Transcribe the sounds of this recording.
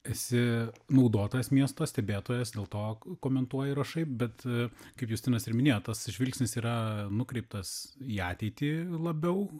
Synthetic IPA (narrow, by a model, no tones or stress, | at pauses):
ɛsʲɪnɐʊd̪oːt̪oːjɛsmʲiɛst̪oːsʲt̪ʲɛbʲeːt̪oːjɛsd̪ʲeːlˠt̪oːkoːmʲɛnt̪uɔjɪɾɐʃɐɪp̚bʲɛt̪kɐɪpjuːst̪ʲɪnɐsɪɾmʲɪnʲeːjoːt̪t̪ɐsɪʒʲʋʲɪlʲksʲnʲɪsiːɾɐnʊkɾʲɛɪp̚t̪ɐsiːɑːt̪ʲɛɪt̪ʲiːlˠɐbʲɛʊ